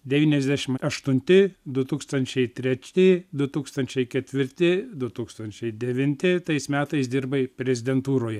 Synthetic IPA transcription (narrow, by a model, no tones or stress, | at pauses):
d̪ʲɛʋʲiːnʲɛzʲd̪ʲæʃʲɪmɐʃt̪ʊnʲt̪ʲɪd̪ʊt̪uːkst̪ɐnʲt͡ʃʲɛɪt̪ʲɾʲɛt͡ʃʲtʲɪd̪ʊt̪uːkst̪ɐnʲt͡ʃʲɛɪkʲɛt̪ʲʋʲɪɾʲt̪ʲɪd̪ʊt̪uːkst̪ɐnʲt͡ʃʲɛɪd̪ʲɛʋʲɪnʲt̪ʲɪt̪ɐɪsmʲæːt̪ɐɪsd̪ʲɪrbɐɪpʲɾʲɛzʲɪd̪ʲɛnt̪uːɾoːjɛ